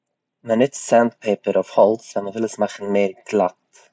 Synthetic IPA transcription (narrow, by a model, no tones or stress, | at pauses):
mənɪtsandpʰeːpəɾɔfhɔlˠsanməvɪlˠəsmaχən̩meːɾɡlat